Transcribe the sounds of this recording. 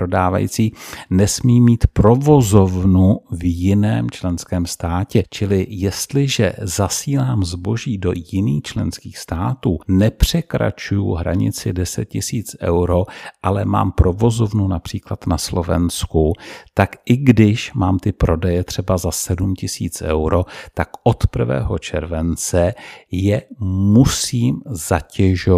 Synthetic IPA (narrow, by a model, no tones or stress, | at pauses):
ɾodaːva̰jḭt͡siːnɛsmiːmiːt̪pɾo̞vo̞zo̞vnuvjɪnɛːmt͡ʃlɛnskɛːmst̪aːcɛt͡ʃɪlɪjɛst̪lɪʒɛ̰zasiːlaːmzbo̞ʒiːdo̞̰jɪniːxt͡ʃlɛ̰nskiːxst̪aːt̪uːnɛpr̝̥ɛkɾa̰t͡ʃujʊ̰ɦɾa̰ɲɪ̰t͡sɪdɛsɛt̪̚cɪsiːt͡sʔɛ̰wɾo̞ʔalɛma̰ːmpɾo̞vo̞zo̞vnunapr̝̥iːklat̪naslo̞vɛ̰nskut̪akʔɪɡdɪʃmaːmt̪ɪpɾo̞dɛjɛt̪r̥ɛbazasɛdumcɪsiːt͡sʔɛ̰wɾo̞t̪akʔo̞t̪pr̩vɛ̰ːɦo̞̰t͡ʃɛ̰ɾvɛnt͡sɛjɛmusiːmzacɛʒo